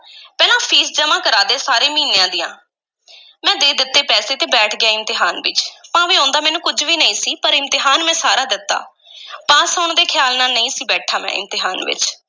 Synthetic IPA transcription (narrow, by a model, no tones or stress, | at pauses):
pɛːlãːpʰiːsd͡ʒəmãːkəɾaːd̪eːsaːɾeːmiːnejãːd̪ɪjã̰ː | mɛ̃ːd̪eːd̪ɪt̪ːeːpɛːseːt̪eːbɛːʈʰɡɪjaːɪmt̪ɪɦaːnʋɪ̰t͡ʃpãːʋiːõːnd̪aːmɛːnũːkʊd͡ʒʋiːnəĩːsiːpəɾɪmt̪ɪɦaːnmɛ̃ːsaːɾaːd̪ɪt̪ːa̰ː | paːsaʊɳd̪eːkʰɪjaːlnaːlnəĩːsiːbɛːʈʰaːmɛ̰̃ːɪ̰mt̪ɪɦaːnʋɪ̰t͡ʃ